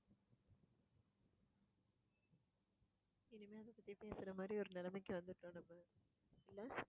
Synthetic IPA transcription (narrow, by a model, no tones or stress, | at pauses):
ɛnɯmeːɐnd̪ɐpːɐt̪ːipeːsɯɾɐmaːd̪ɾiɔɾɯnɛlɐmɛk̬ʲːɯʋɐnd̪ɯʈːũːnɐmːɐ | ɪlːɐ